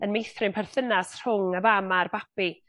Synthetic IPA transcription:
ənmejθrɪnpʰɛrθənasr̥ʊŋəvamarbapi

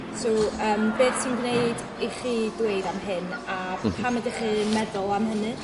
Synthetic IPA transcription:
sowəːmbeːdsinɡnejd | iχiːdweɨðamɦɨnapʰamadiχimɛðʊlˠamɦənɨ

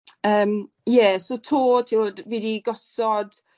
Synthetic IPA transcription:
əːm | jɛsotʰoːtʰiodvidiɡɔsɔd̥

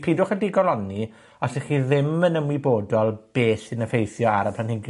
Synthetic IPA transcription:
pʰidʊχədiɡɔlˠɔni | ɔsɛχiːðɪmənəmwiboːdɔlˠb̥eːsɪnəfejθjɔaɾəpʰlanhɪɡ

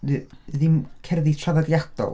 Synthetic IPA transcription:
ðɪmkʰɛrðitʰravadjad̪̥ɔ̰l

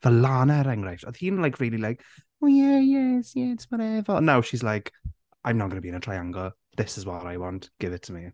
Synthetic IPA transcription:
vəlanɛɾɛ̃ŋɡɹaftəð̥hinlajkʰɹɪːlilajk | ojɛjɛsjɛɪtsmaɾɛvɔnawʃizlajk | ʔãjmnəɔt̚ɡ̥ənəbiɨnətʰɹ̥ajãŋɡɔ | ðɪsɪzwaɾajwɔntɡ̥ɪvɪtʰəmi

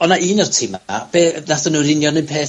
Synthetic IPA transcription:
ɔnaʔiːnərtʰima̰b̥eːnaθənuɾɪnjɔnɨnpʰeː

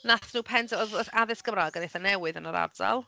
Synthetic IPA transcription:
naθnuːpʰɛntʰɔðɔaðɪsɡ̥əmraːɡənejθənɛwɨðənəɾa̰rda̰lˠ

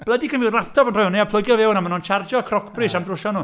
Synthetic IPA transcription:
b̥lədikʰənvɪwrlˠap̚tʰɔbənrɔjɔnejapʰlˠʊjɡjɔvɛwnamənɔnt͡ʃʰard͡ʒɔkʰrɔkʰb̥risamdrʊʃɔnuː

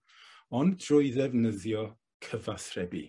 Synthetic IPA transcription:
ɔndrʊɨðɛvnəðjɔ | kʰəvaθrɛbḭ

